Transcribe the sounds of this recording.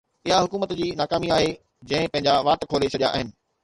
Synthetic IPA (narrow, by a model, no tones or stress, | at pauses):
ɪɦaɦʊkuːmət̪d͡ʑiːnaːkaːmiaːɦe | d͡ʑɐ̃ɦɪ̃pɐ̃ɦɪ̃ɲd͡ʑaʋaːʈkʰoːlet͡ɕʰɐɗija̰aːɦɪnɪ̆